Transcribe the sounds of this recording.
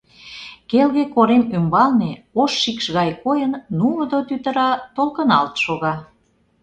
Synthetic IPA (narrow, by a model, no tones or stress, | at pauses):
kelɣekoɾemymbɑlneoʃːikʃɣɑjkojənːuld̪ot̪yt̪ə̆ɾɑt̪olkə̆nɑlt̪ʃoɣɑ